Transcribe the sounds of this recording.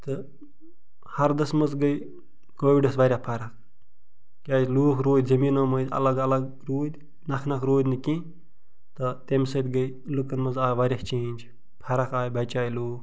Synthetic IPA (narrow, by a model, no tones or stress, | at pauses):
t̪ɨ | hɐɾd̪ɐsmɐzɡɐj | koːʋiɖɐsʋɐɾʲjapʰɐɾɐk | kʲaːjluːkɾoːd̪ʲzɐmiːnoːməd̪ɐ̰lɐɡɐlɐɡ | ɾoːd̪ʲ | nɐkʰnɐkɾoːd̪ʲnɨkĩː | t̪ɐt̪emsɐt̪ʲɡɐj | lɨkɐnmɐzaːjʋaɾʲɐht͡ʃẽːnʲd͡ʒ | pʰɐɾɐkaːjbɐt͡ʃaːjluːk